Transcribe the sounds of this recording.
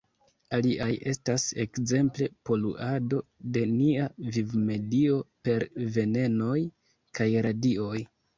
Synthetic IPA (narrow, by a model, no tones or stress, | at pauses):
aliʔajʔe̞stase̞kze̞mple̞po̞lṵʔado̞de̞niavivme̞dio̞pe̞ɾve̞ne̞no̞j | kajɾadio̞j